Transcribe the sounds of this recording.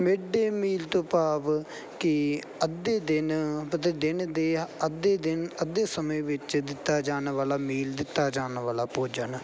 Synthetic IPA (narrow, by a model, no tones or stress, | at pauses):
meːɖeːmiːlt̪õːpaːʋ | kɪ | əd̪eːd̪ɪnpət̪ed̪ɪnd̪eːəd̪eːd̪ɪnəd̪eːsəmẽːʋɪt͡ʃd̪ɪt̪ːaːd͡ʒaːnʋaːlaːmiːld̪ɪt̪ːaːd͡ʒaːnʋaːlaːpoːd͡ʒən